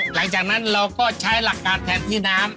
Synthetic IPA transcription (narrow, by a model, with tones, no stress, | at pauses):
la˩˦ŋt͡ɕaː˨˩k̚na˦˥nɾa˧wkɔː˥˩t͡ɕʰa˦˥jla˨˩kːaː˧nt̪ʰɛː˧˩nt̪ʰiː˥˩naː˦˥m